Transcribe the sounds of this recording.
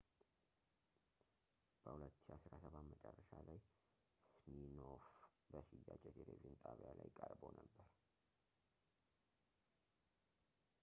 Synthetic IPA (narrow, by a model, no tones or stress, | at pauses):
b̥əhulət̪ːasɨɾasəβamət͡ʃʼərːəʃalaj | sminof | bəʃɪjːad͡ʒʼɛt̪ʰeleviunt̪ʼaβijalajkʼəɾbonəbːəɾ